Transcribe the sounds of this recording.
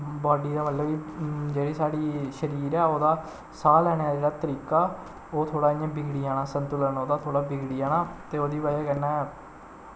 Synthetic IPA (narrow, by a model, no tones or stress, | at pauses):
baːɖiːd̪aːməlləbiːd͡ʒeːɽiːsaːɽiːʃəɾiːɾɛːoːd̪aː | saːlɛːɽ̃eaːd͡ʒeːɽaːt̪əɾiːkaː | oːt̪ʰoːɽaːɪjãːbɪɡɽiːaːnaːsənt̪ʊlənoːd̪aːt̪ʰoːɽaːbɪɡɽiːaːnaːt̪eːoːd̪iːbaːaːkɛːnɛː